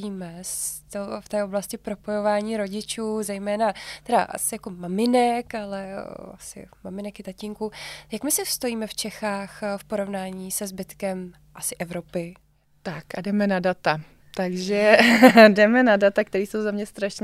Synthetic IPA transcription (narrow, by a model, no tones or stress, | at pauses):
iːmɛst̪oft̪ɛːʔo̞blascɪpɾo̞po̞jo̞vaːɲiːɾo̞ɟɪt͡ʃuːzɛjmɛːnat̪ɛda̰ʔa̰sɪjako̞mamɪnɛkalɛa̰sɪ̰mamɪnɛkɪt̪aciŋkujakmɪsɪfst̪o̞jiːmɛft͡ʃɛxaːxfpo̞ɾo̞vnaːɲiːsɛzbɪt̪kɛm | ʔasɪʔɛvɾo̞pɪ | t̪akadɛmɛnadat̪a | t̪aɡʒɛdɛmɛnadat̪ak̚t̪ɛɾiːso̞wzamɲɛst̪ɾaʃɲ